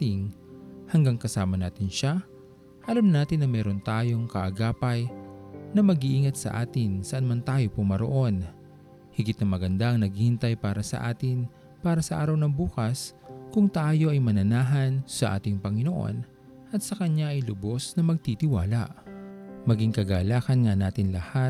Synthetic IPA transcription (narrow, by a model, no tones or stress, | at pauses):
t̪ɪŋhɐŋɡaŋkɐsaːmɐnaːt̪ɪnʃa | ʔɐlamnaːt̪ɪnːɐmɛːɾo̞nt̪aːjo̞ŋkɐʔɐɡaːpɐjnɐmɐɡiʔiŋɐt̪sɐ̰ʔaːt̪ɪnsɐʔɐnmɐnt̪aːjo̞pʊmɐɾo̰ʔo̞n | hɪɡɪt̪̚nɐmɐɡɐnd̪aʔɐŋnɐɡihɪnt̪ajpaːɾɐsɐ̰ʔa̰ːt̪ɪn | paːɾɐsɐʔaːɾɐwnɐŋbuːkɐskʊŋt̪aːjo̞ʔɐjmɐnɐnaːɦɐnsɐʔa̰ːt̪ɪŋpɐŋɪno̞ʔo̞̰n | ʔɐt̪sɐkɐɲaʔɐjlʊbo̞snɐmɐɡ̚t̪it̪ɪwaːlɐ̰ʔmɐɡiŋkɐɡaːlaːkɐnŋɐnaːt̪ɪnlɐha